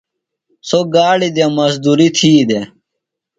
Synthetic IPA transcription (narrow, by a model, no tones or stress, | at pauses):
soɡaːɽid̪emɐsd̪uːɾit̪ʰiːd̪e